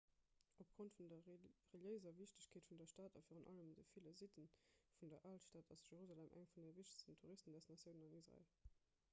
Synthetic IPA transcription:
ʔop̚ɡ̥ʁontfundɐʁəljəɪzɐviɕtəɕkʰeːtfundɐʃtaːtɑ̰fiːʁunʔɑ̰ləmdəfiləzitənfundɐʔaltʃtaːtɑ̰sjeʁuzaːlɛmʔæ̰ŋfundeviɕtə̥stəntʰuʁistəndæstnɑsjəʊnənɑnisʁɑ̰ḛl

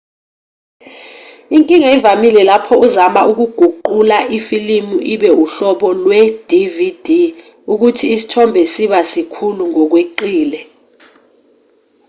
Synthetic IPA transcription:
iŋkʼiŋaivamilɛlapʰɔuzamaʔuk̬uɡ̥ʱuǃulaʔifilimuʔiɓɛuɬɔɓɔlwɛd̥ʱivid̥ʱi | uk̬utʰiːsi̥tʰɔmbʱɛsiɓasikʰuluŋɔk̬weǃiːlɛ

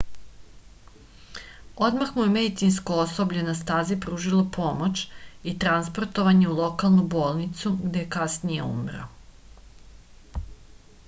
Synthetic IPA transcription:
o̞d̪maxmujemed̪it̪sinskooso̞bʎenast̪aːzipɾuːʒilˠopʰo̞mot͡ʃit̪ɾanspo̞ɾt̪o̞ʋaɲe̞ulˠo̞kalˠnubo̞ːlˠnit̪suɡd̪ekasnijeṵmɾo̰

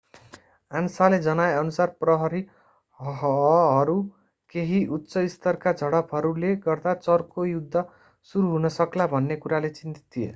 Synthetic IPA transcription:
ansaled͡zʌnajʌnusarprʌɦʌɾi | ɦʌɾu | keɦiʔut̪ːsʌist̪ʌrkad͡zʱʌɽʌpʰʌɾuleɡʌrd̪at͡sʌrkojud̪ʱːʌ | suɾuɦunʌsʌklabʱʌnːekuɾalet͡sint̪i̥t̪ʰːiḛ

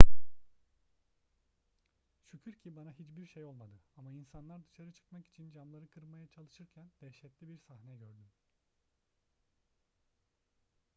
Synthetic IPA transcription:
ʃycʰyɾcʰibanaɦit͡ʃbiɾʃejo̞lˠmad̪ɯamainsanlˠaɾd̪ɯʃaɾɯt͡ʃʰɯ̥kmaki̥t͡ʃʰind͡ʒamlˠaɾɯkʰɯɾmajat͡ʃʰalˠɯʃɯɾcʰænd̪̥ɛʃɛt̪lʲibiɾsahnɛɟøɾd̪ym

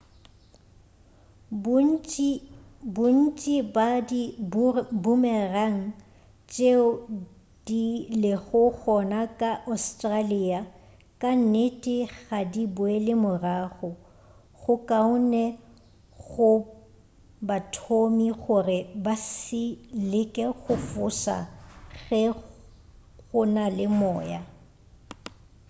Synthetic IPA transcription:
bʊn̩t͡ʃʼibadi | bʊmɛraŋ̩ | t͡ʃʼeʊ | d̥ilɪɣʊɣɔnakʼaʔastʼraliːa | kʼan̩netʼɪɣadibʊɛlɪmʊraːɣɔ | ɣʊkʼaʊnɛ | ɣʊ | batʰomiɣʊrɪbasɪlɪkʼɛɣʊfʊsa̰ɣɛ | ɣʊnalɪmɔ̰ːja

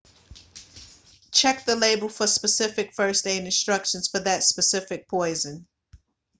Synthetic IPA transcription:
t͡ʃʰɛk̚ðɨleɪbl̩ˠfə˞spɨsɪfɨkfɜ˞stẽɪ̃nɨ̃nstɹ̥ʌkʃɨ̃nz̥fə˞ðɨtspɨsɪfɨk̚pʰɔɪzɨ̃n

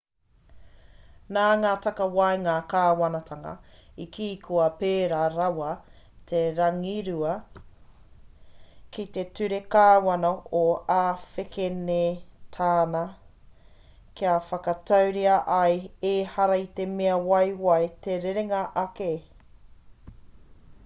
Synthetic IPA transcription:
naːŋaːtɐkɐwɐjŋaːkaːwɐnɐtʰɐŋɐ̰ikʰiːkʰoɐpeːɾaːɾawɐ | t̪ʰeɾɐŋiɾʉɐ | kit̪e̞tʉɾekaːwɐnooaːfekʰenetʰaːnɐ | kiafɐkɐtʰɐwɾiɐʔɐjeːhɐɾɐit̪e̞meɐwɐjwɐjt̪eɾeɾeŋɐʔɐke

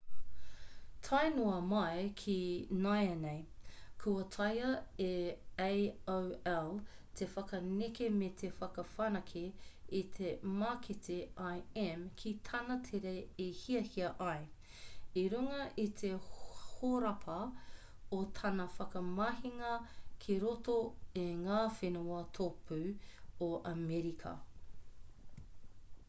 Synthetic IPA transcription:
tʰajnoɐmɐekʰinajɐnejkʰuɐtʰɐjɐeejowɛltʰefɐkɐnekemet̪ʰefɐkɐfɐnɐkʰiit̪ʰemakʰet̪iajɛmkʰitʰɐnɐtʰeɾeehiɐhiɐʔɐj | iɾuŋɐʔit̪ʰehoɾɐpʰɐ | ot̪ʰɐnɐfɐkɐmɐhiŋɐkʰiɾotoeŋaːfenuɐt̪ʰopʰʉoʔɐmɛɾikʰɐ̰

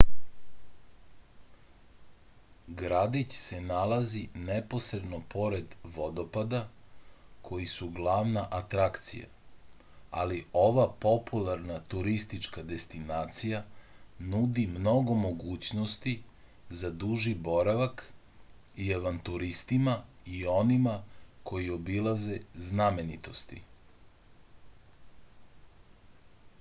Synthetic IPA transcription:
ɡɾad̪it͡ɕse̞nalazinepo̞sɾe̞d̪no̞pʰo̞ɾe̞d̪ʋo̞d̪o̞pad̪a | kʰo̞jisuɡlˠaʋnaʔat̪ɾakt̪sḭja̰ | a̰lio̞ʋapo̞pʰulˠaɾnat̪uɾist̪it͡ʃkad̪e̞st̪inaːt̪sija | nud̪imno̞ɡo̞mo̞ɡuːt͡ɕnost̪i | zad̪uʒibo̞ɾaʋak | iaʋant̪uɾist̪ima | io̞nimakʰo̞jio̞bilˠaze̞znamenit̪o̞st̪ḭ

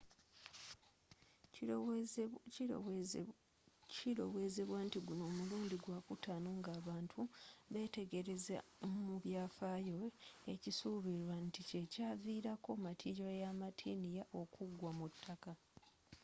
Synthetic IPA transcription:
iɾo̞̰we̞ːze̞βwaːntiɡuno̞ːmuluːndiɡwaːkutaːnoːŋɡaːβaːntʰuβe̞ːte̞ɡe̞ɾeza̰muβjaːfaːjoecisuβiɾwantice̞caːviːɾako̞matʰiɟojamatʰiːnijaʔo̞kuɡwamutʰːaka

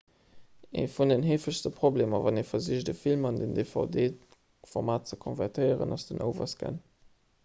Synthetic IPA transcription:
ḛːfunənɦeːfəʃstəpʁobleːmɐvɑneːfɐziəʃdəfilmɑndəndefɑ̰ʊdeː | fɔʁmaːt̚t͡səkʰɔnvæʁtʰəɪəʁə̰nɑsd̥ənʔə̰ʊvɐ̰skʰə̰n

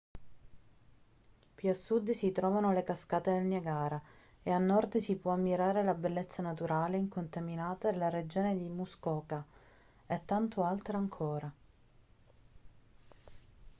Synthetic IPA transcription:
piasːud̪sit̪ɾɔːvanolekaskaːt̪ed̪elneɡaːɾa | eanːɔrd̪sipwɔamːiɾaːɾelabelːet̪sːanat̪uɾaːleiŋkont̪aminaːt̪ad̪elːaɾed͡ʒoːned̪imuskɔːka | et̪ːant̪oalt̪ɾaaŋkʰoːɾa

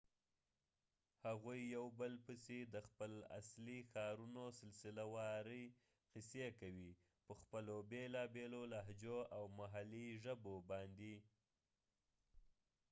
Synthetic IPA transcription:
haɣujːawbəlpəsed̪əxpəla̰slixɑɾunosɪlsɪlawɑɾəj | qɪsekawi | pəxpəlobelɑbelolaɦd͡ʒoawmaɦaliʒəbobɑnd̪i

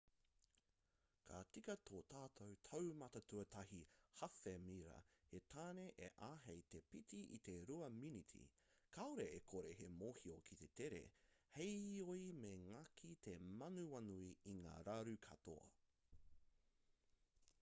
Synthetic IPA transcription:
kʰa̰tikɐt̪ʰoːt̪ʰaːtʰowtʰɐwmɐtɐtʰuɐtʰɐɦihɐfemiɾɐ̰het̪ʰaːneʔḛʔaːɦejt̪epitiʔḭt̪e̞ɾuɐminit̪ʰḭ | kʰaoɾeekʰoɾehemoːhiokʰit̪e̞t̪eɾḛhejoimeŋɐkʰit̪ʰemɐnuɐnuiiŋa̰ːɾaɾukʰɐt̪o̰ɐ̰

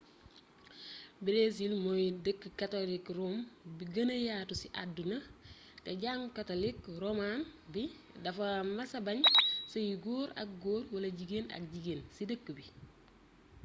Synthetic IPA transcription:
biɾes̬ilmojdəkːəkːatolikrombiɡɐnɐjaːtusiʔadunɐ | kɐɟaŋkatolikɾomanbi | dɐfɐmɐsɐbɐɲsɐjiɡoːɾɐ̰k̚ɡoːɾwɐlɐɟiɡenɐ̰k̚ɟiɡeːnsidəkːəbi

